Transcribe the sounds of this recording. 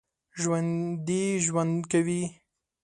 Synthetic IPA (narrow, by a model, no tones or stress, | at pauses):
ʒwand̪iʒwand̪kawi